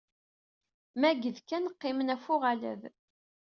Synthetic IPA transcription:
mæɡəðkːænəqːɪmənæfʊʁalæ̰ð

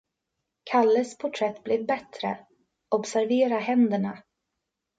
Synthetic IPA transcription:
kʰalːəspʰʊʈʰɾɛt̪ːblɛvbɛt̪ɾə̰ | ɔbsæɾveːɾahɛnd̪əɳa

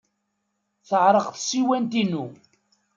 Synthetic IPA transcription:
θəʕɾˤəqθsiwænt̪inu

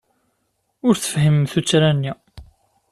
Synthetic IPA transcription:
ʊɾθə̥fhəmθut͡sːɾænːi

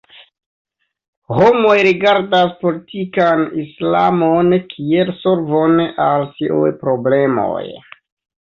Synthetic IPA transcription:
ho̞mo̞jɾiɡaɾdaspo̞litʰikanisla̰monkʰielso̞ɾvo̞nalsiṵjpɾo̞ble̞mo̞̰j

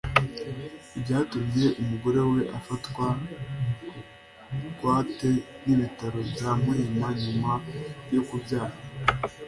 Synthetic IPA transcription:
ibɟaːtumje̞ʔumuɡoɾe̞we̞ʔafatwa | kwaːte̞niβitaɾo̞bjamuimaɲumabjokubjaːvo

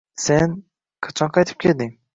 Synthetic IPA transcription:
sen | qʰɑ̥t͡ʃʰɒnqʰɑjt̪ʰɪ̥p̚kʰʲeld̪ɪŋ

